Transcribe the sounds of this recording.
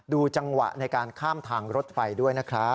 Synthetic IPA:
duː˧t͡ɕa˧ŋwa̰˨˩ʔna˧jkaː˧nkʰaː˥˩mt̪ʰaː˧ŋɾo˦˥t̪̚fa˧jdu˥˩əjna˦˥kʰɾa˦˥

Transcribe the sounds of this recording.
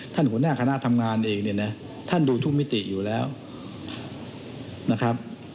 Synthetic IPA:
t̪ʰa˥˩nkʰu˩˦ə˦naː˥˩kʰa˧na˦˥ʔt̪ʰa˧mŋaː˧nʔeː˧ŋni˥˩ɐna˦˥ | t̪ʰa˥˩nduː˧t͡ɕ̪ʰu˥˩ŋmi˦˥t̪i˨˩juː˨˩lɛː˦˥w | na˦˥kʰa˦˥p̚

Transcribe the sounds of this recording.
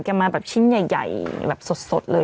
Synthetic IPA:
ka˧˩maː˧bɛː˨˩p̚t͡ɕʰi˧˥˩nja˨˩jːa̰˨˩jbɛ̰ː˨˩p̚so˨˩t̪̚so˨˩t̪̚lɤː˧

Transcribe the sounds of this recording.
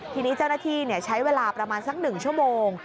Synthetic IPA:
t̪ʰiː˧niː˦˥t͡ɕa˥˩wnaː˥˩t̪ʰiː˥˩ni˥˩ɐt͡ɕʰa˦˥jweː˧laː˧pɾa˧maː˧nsa˦˥k̚nɯ˨˩ŋt͡ɕʰu˥˩əmoː˧ŋ

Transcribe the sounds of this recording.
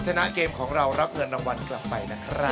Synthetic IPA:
t͡ɕʰa˧na˦˥keː˧mkʰɔː˩˦ŋɾa˧wɾa˦˥p̚ŋɤ˧ənːda˧ŋwa˧nkla˨˩pːa˧jna˦˥kʰɾa˦˥

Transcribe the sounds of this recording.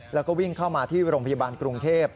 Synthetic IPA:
lɛː˦˥wkɔː˥˩wi˥˩ŋkʰaː˥˩wmaː˧t̪ʰiː˥˩ɾoː˧ŋpʰa˧jaː˧baː˧nkɾu˧ŋt̪ʰeː˥˩p̚

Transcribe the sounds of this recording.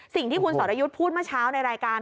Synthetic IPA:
si˨˩ŋt̪ʰiː˥˩kʰu˧nsɔː˩˦t̪ʔa˧ju˦˥t̪̚pʰuː˥˩t̪̚maː˥˩t͡ɕʰaː˦˥wna˧jɾaː˧jkaː˧n

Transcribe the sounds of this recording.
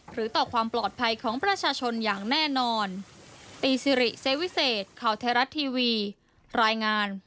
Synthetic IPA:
ɾɯː˩˦t̪ɔː˨˩kʰwaː˧mplɔː˨˩t̪̚pʰa˧jkʰɔː˩˦ŋpɾa˧t͡ɕʰaː˧t͡ɕʰo˧njaː˨˩ŋnɛː˥˩nɔː˧nt̪iː˧si˧ɾi˨˩se˦˥wi˦˥seː˨˩t̪̚kʰaː˨˩wt̪ʰaː˧ɾa˦˥t̪ʰːiː˧wiː˧ | ɾaː˧jŋaː˧n

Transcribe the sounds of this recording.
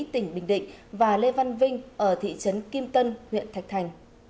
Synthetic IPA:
t̪ï˧˩ŋ̟ɓï˧˩ŋ̟ɗḭ̈˧˨ŋ̟vaː˨˩le˧va˧nvï˧ŋ̟ʔəː˧˩t̪ʰḭ˧˨t͡ɕə˨˦nki˧mt̪ə˧nhwḭ˧˨ənt̪ʰa˨˩jk̚t̪ʰa˨˩jŋ̟

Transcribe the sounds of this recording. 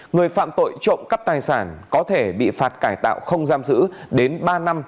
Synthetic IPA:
ŋɨ˨˩əjfa̰ː˧˨mt̪o̰˧˨jt͡ɕo̰˧˨ŋ͡mka˦˥p̚t̪aː˨˩jsaː˧˩nkɔ˨˦t̪ʰe˧˩ɓḭ˧˨faː˨˩t̚kaː˧˩jt̪a̰ː˧˨wxə˧wŋ͡mzaː˧mzɨ̰˧˥ɗe˨˦nɓaː˧na˧m

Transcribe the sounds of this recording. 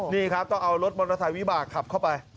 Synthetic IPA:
niː˥˩kʰɾa˦˥p̚t̪ɔ˥˩ŋʔa˧wɾo˦˥t̪̚bɔ˧nɾʰa˧t̪a˨˩jwi˦˥baː˨˩k̚kʰːa˨˩p̚kʰa˥˩wpa˧j

